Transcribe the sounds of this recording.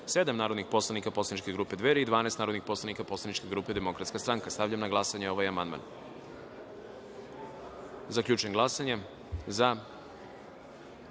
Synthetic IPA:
se̞d̪amnaːɾo̞d̪nixpo̞slˠanikaposlanit͡ʃkʲe̞ɡɾuːpe̞d̪ʋeɾeid̪ʋaːnaːst̪aːɾod̪nixpo̞slanikapo̞slˠanit͡ʃke̞ɡɾuːpe̞d̪e̞mo̞kɾat̪skast̪ɾaŋkast̪avʎamnaɡlˠasaɲeo̞ʋajamand̪ma̰n | zakʎʲuːt͡ʃujemɡlˠasaɲe | za

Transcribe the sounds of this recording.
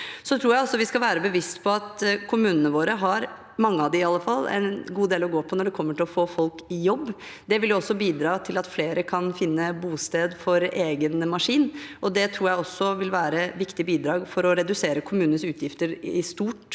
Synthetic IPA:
sɔt̪ʰɾuːɾjæɪɔlsɔʋɪskɑlʋæːɾəbəʋɪst̪pʰɔɑt̪kʰʊmʉːnənəʋoːɾəɦɑɾ | mɑŋːəɑʋd̪ɪɪɑlːəfɑlˠːɛ̰nɡuːd̪eːlɔɡoːpʰɔnɔɖɛkʰɔmːəʈʰɪlɔfoːfɔlkɪjɔbːd̪ɛʋɪldjʊɔsːɔbiːd̪ɾɑːt̪ʰɪlɑt̪fleːɾəkʰɑnfɪnːəbuːst̪eːd̪fɔɾeːɡənmɑʂiːnɔd̪ɛt̪ʰɾuːɾjæɪɔsːɔʋɪlʋæːɾəʋɪkt̪ɪbiːd̪ɾɑːɡfɔɾɔɾɛd̪ʉseːɾəkʰʊmʉːnənsʉːt̪ʰjɪft̪əɾɪst̪uːʈ

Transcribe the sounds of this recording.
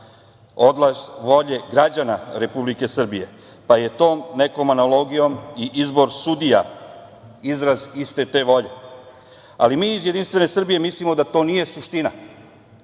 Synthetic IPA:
o̞d̪lˠazʋo̞ʎe̞ɡɾad͡ʑanaɾe̞publike̞sr̩bije̞ | paje̞t̪o̞ːmne̞ko̞manalo̞ɡijo̞miʔizbo̞ɾsud̪ija̰ | izɾazist̪e̞t̪e̞ʋo̞ʎe̞ | a̰limiːzjed̪inst̪ʋe̞ne̞sr̩bije̞mislimo̞d̪at̪o̞ːnije̞suʃt̪ina

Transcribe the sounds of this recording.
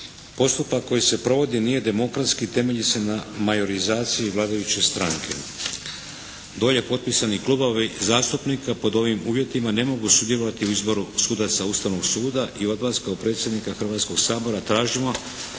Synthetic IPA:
po̞st̪upako̞jise̞pɾo̞ʋo̞d̪inije̞d̪e̞mo̞kɾat̪skit̪e̞me̞ʎise̞namajo̞ɾizaːt̪sijiʋlˠaːd̪ajut͡ɕe̞st̪ɾaŋkʰe̞̰ | d̪o̞ːʎe̞po̞t̪̚pisaniklˠubo̞ʋizaːst̪upnikapo̞d̪o̞ʋimuːʋje̞t̪imane̞mo̞ɡusud̪jelo̞ʋat̪iuizbo̞ɾusuːd̪at̪saust̪aʋno̞ɡsuːd̪aʔio̞d̪maskaopɾe̞ːt̪sjed̪nikaxr̩ʋaːt̪sko̞ɡsaːbo̞ɾat̪ɾaːʒimo̞

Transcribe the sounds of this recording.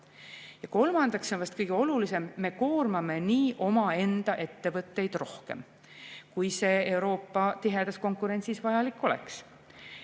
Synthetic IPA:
jɑko̞lmɑnd̪̥ɑksonvɑst̪kɤjɡ̥eo̞lulise̞mːe̞ko̞ːrmɑme̞niːʔo̞mɑe̞nd̪̥ɑʔe̞t̪ːe̞vɤt̪ːe̞jd̪̥ro̞hke̞̰m | kujse̞ːewɾo̞ːpːˑɑt̪iɦe̞d̪̥ɑsko̞ŋkuɾe̞nʲt̪sisvɑjɑlikːˑo̞lḛks

